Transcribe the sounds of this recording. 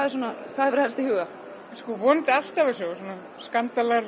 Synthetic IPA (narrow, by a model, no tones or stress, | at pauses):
aðɪɾsuːnakvaðɛvɪɾ̥haɾst̪ɪhʏːɣa | skɔvɔnt̪al̥t̪avas̬ows̬ɔːna | skant̪alaɾ